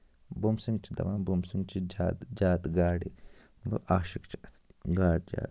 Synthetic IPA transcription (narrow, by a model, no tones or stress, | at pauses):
bumsiŋɡt͡ʃʰid̪ɐ̰ʋaːnbumsiŋɡt͡ʃʰid͡ʒaːt̪d͡ʒaːt̪ɡaːɽḭ | bṵʔaːʃikt͡ʃʰi | ɡaːɽd͡ʒa̰ːt̪